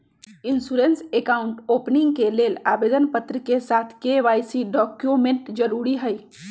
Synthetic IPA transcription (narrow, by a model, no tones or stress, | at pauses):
ɪnsuːɾensekaʊ̃ɳʈoːpnɪ̃ŋɡkeleːlaːbeːd̪ənpət̪ɾəkesaːt̪ʰkeʋaːjsiɖɔːkjomẽɳʈd͡ʒəɾuɾiɦəj